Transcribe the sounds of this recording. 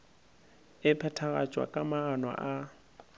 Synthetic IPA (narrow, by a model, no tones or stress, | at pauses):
ɪpʰɛtʰaɣa̰t͡ʃʼwa̰kʼamaːnwa̰ʔa